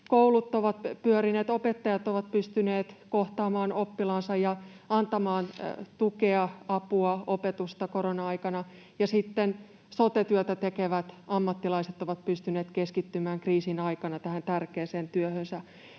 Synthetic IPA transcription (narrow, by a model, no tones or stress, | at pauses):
koulut̪ːˑoʋɑt̪pyøɾineːt̪opet̪ːɑjɑt̪oʋɑt̪̚pyst̪yneːt̪koht̪ɑːmɑːnopːilɑnsɑjɑɑnt̪ɑmɑːnt̪ukeɑɑpuɑopet̪ust̪ɑkoɾonɑɑikɑnɑ | jɑsit̪ːen | sot̪et̪yøt̪æt̪ekeʋæt̪ɑmːɑt̪ːilɑiset̪ːoʋɑt̪̚pyst̪yneːt̪keskit̪ːymæːŋkriːsinɑikɑnɑt̪æhænt̪ærkeːseːnt̪yøhønsæ